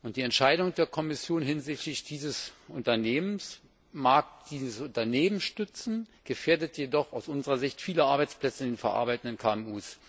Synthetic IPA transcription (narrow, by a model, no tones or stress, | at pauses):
ʔʊnt̚d̥iːɛntʃaɪɾʊŋd̥eːɐkʰɔmɪsjoːnɦɪnzɪçtlɪçd̥iːzəsʔʊntɐneːməns | maːk̚d̥iːzəsʊntɐneːmənʃtʏt͡sn̩ɡ̥əfeːɐdətjedɔχaʊsʔʊnzəʁɐzɪçtfiːləʔaɐbaɪt͡spl̥ɛt͡səɪndeːnfɛɐʔa̰ɐbaɪtn̩dənkʰaːɛmuːs